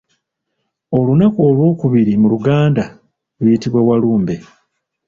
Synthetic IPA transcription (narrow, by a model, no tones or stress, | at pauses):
o̞lunakuolwo̞ːkuβiɾimuluɡaːnda | lwiːtiβwawaluːmbe̞